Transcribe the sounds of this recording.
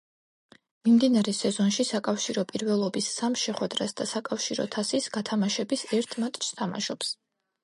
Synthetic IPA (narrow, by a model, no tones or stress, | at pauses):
mimd̪inaɾɛsɛzɔnʃisakʼafʃiɾɔpʼiɾvɛlˠɔbisːamʃɛχwɛd̪ɾasd̪̥asakʼafʃiɾɔ̰t̪ʰasisɡat̪ʰamaʃɛbisɛɾt̪ʰmat̪ʼt͡ʃst̪ʰama̰ʃɔps